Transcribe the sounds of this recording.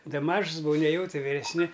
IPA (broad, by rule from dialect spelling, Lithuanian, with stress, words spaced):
ˈdɐ ˈmɐʃs bʊˈʋɐʊ ˈnʲæːjɛʊ ˈtʲɪ ʋʲɪrʲɛsʲˈnʲɪ